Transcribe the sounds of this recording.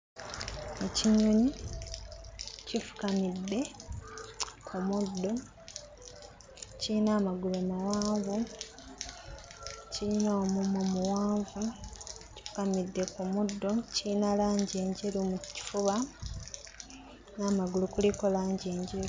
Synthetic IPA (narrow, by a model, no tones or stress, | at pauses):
eciɲoɲi | cifu̥kamidːe̞ | kʰumudːo̞ | ciinaːmaɡulomawaːɱvu | ciino̞ːmumomuwaːɱvuci̥fu̥kamidːe̞kumudːo̞ciinalaːɲɟeːɲɟelumuci̥fuβa | naːmaɡulukulikolaːɲɟeːɲɟeɾu